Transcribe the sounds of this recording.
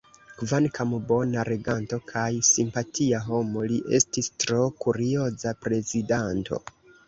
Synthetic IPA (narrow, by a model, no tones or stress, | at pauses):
kvankʰambo̞naɾe̞ɡanto̞kʰajsimpatʰiaɦo̞mo̞liʔestistɾo̞kuɾio̞zapɾe̞zidanto̞̰